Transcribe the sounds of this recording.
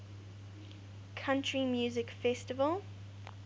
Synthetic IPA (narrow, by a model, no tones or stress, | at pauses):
kʰãntɹimjuːzɪkfɛstɪvəlˠ